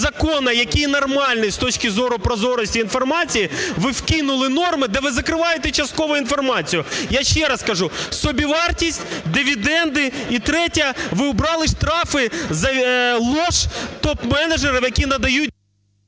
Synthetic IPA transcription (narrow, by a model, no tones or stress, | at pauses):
zɐkɔnɐjɐkʲijnɐrmɑlʲnɪst̪ɔt͡ʃkɪzɔɾʊpɾɔzɔɾɔsʲtʲiːnfɔrmɑt͡sʲijiʋɪwkɪnʊlˠɪnɔrmɪd̪ɛʋɪzɐkɾɪʋɑjet̪ɛt͡ʃɐst̪̚kɔʋʊin̪fɔrmɑt͡sʲijʊjaʃt͡ʃɛɾɐskɐʒusɔbʲiʋɑrtʲisʲtʲd̪ɪʋʲid̪ɛnd̪ɪit̪ɾɛtʲɐʋɪʊbɾɑlˠɪʃt̪ɾɑfɪzɐlˠɔʃt̪ɔpmɛnɐd͡ʒeɾɐmjɐkʲinɐd̪ɐjut̚ʲ